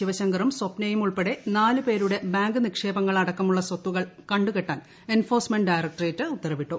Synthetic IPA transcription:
iʋɐɕɐŋɡɐrumsopnejumuɭpeɽe̞naːlɨpe̞ːɾuɽe̞baːŋɡɨnikʂe̞ːbɐŋːɐɭɐɽɐkːɐmuɭːɐsot̪ːuɣɐɭkɐɳɖukeʈːaːn | enfo̞ːrsmeɳɖɖajrɐk̚ʈɐretːɨut̪ːɐɾɐʋiʈːu

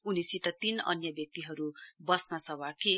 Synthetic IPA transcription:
unisit̪ʌt̪inʌ̰njʌbjʌk̚t̪iɦʌɾubʌsmasʌwart̪ʰie

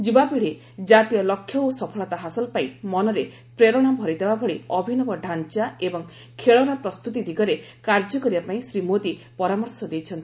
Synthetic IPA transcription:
d͡ʒibapiɽe | d͡ʒat̪ijɔlɔkʰːjɔosɔpʰɔɭɔt̪aɦasɔlpaĩmɔnɔɾe | pɾeɾɔɽ̃abʱɔɾid̪ʱebabʱɔɭiɔbʱinɔbɔɖʱant͡ʃaebɔŋ | kʰeɭɔɽ̃apɾɔst̪ut̪id̪ʱiɡɔɾe | kaɾd͡ʒɔkɔɾibapaĩsɾimod̪ipɔɾamɔɾsɔd̪ejt͡ʃʰɔnt̪i̥

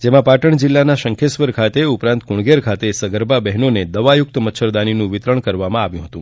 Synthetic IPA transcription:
d͡ʒemãpaʈəɳd͡ʒilːanaʃəŋkʰesʋəɾkʰat̪eupɾãnt̪kuɳɡeɾkʰat̪esəɡəɾbabɛɦnoned̪əʋajʊk̚t̪mət̪ːʃʰəɾd̪aninũʋɪt̪ɾəɳkəɾʋamãaʋjũɦət̪ũ

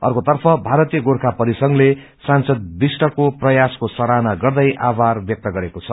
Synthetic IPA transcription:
ʌ̰rkot̪ʌrpʰʌbʱaɾʌt̪ijʌɡorkʰapʌɾisʌŋle | sansʌd̪̚bisʈʌkoprʌjaskosʌɾanaɡʌrd̪ʌjʔabarbjʌk̚t̪ʌɡʌɾekot͡sʰʌ

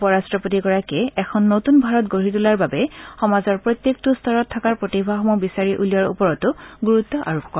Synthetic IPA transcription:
pɔɹastɹɔpotiɡɔɹakɛɛkʰɔnːotunbʱaɹɔtɡoɹitulaɹbabɛxɔmazɔɹpɹot̪jek̚tustʰɔɹɔtʰːakaɹpɹotibʱaxɔmɔbisaɹiʔulijaɹṵpɔɹɔtʊɡuɹutːɔʔa̰ɹɔpkːɔ

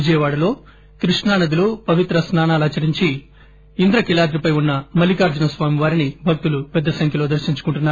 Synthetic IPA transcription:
id͡ʒɐjɐʋaːɽɐlo̞ː | kɾiʂɳaːnɐd̪ilupɐʋit̪ɾɐsnaːnaːlaːt͡ʃɐɾiɲt͡ʃi | ind̪ɾɐkilaːd̪ɾipɐjunːɐmɐlikaːɾd͡ʒɐnɐsʋaːmiʋaːɾinibʱɐk̚t̪ulupɛd̪ːɐsɐŋkʰjɐloːd̪ɐɾʃiɲt͡ʃu̥kuɳʈunːaːɾ

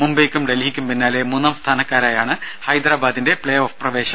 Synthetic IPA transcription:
mumbɐjkʲːumɖeliɦikʲːumpinːaːle̞muːnːɐmst̪ʰaːnɐkːaːɾaːjaːɳɨhɐjd̪ɾaːbaːd̪inde̞pɭejoːfprɐʋe̞ːɕɐm

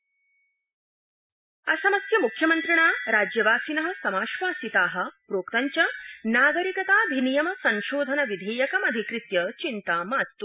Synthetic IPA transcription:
ɐsɐmɐsjɐmukʰjɐmɐnt̪ɾiɳaːɾaːd͡ʑjɐʋaːsinɐɦɐ̆sɐmaːʃʋaːsit̪aːɦɐ̆pɾoːkt̪aɲt͡ɕjanaːɡɐɾikɐt̪aːbʱinijɐmɐsɐ̃nʃoːd̪ʱɐnɐʋid̪ʱeːjɐkɐmɐd̪ʱikɾɨt̪jɐt͡ɕint̪aːmaːt̪t̪u

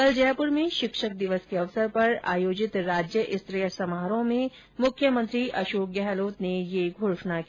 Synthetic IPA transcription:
kɐld͡ʒɛpʊɾmẽʃɪkʃək̚d̪ɪʋəskeɐʋsəɾpɐɾa̰ːjoːd͡ʒɪt̪ɾaːd͡ʒjəʔɪst̪ɾejsɐmaːɾõmẽ | mʊkʰjəmə̃nt̪ɾiʔɐʃoːk̚ɡɛɦloːt̪nejeɡʱoːʂnak

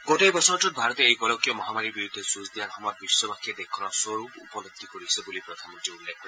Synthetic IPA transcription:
ɡoʈejbɔsɔɹɔtut̪̚bʱaɹɔt̪eejkɔlɔkijɔmɔɦamaɹiɹbiɹud̪ʱːesuzd̪ianxɔmɔt̚bisːɔbakʰied̪ekʰːɔnɔsɔɹupṵpɔnɔk̚t̪ːikoɹisɔbulipɾɔd̪ʱanmɔ̃ntɹiulːekʰɔ

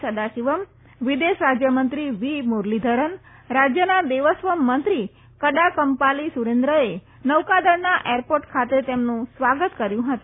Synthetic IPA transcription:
səd̪aʃiʋəm | ʋid̪eʃɾad͡ʒjəmənt̪ɾiʋimoɾlid̪ʱəɾən | ɾad͡ʒjənad̪eʋəsʋəmːənt̪ɾi | kəɖakəmpalisuɾend̪ɾəe | nəʋkad̪əɾnaʔeɾpoɾʈkʰat̪et̪emnũsʋaɡət̪kəɾjũɦət̪

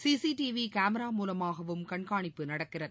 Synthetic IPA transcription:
siːsiʈiʋikaːmɐɾaːmuːlɐmaːɣɐʋɯmkɐɳkaːɳɪpːɯnɐɽɐkːɪrɐð

